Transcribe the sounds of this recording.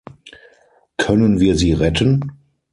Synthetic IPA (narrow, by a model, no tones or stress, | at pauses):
kʰœnənviːɐziːʁɛtən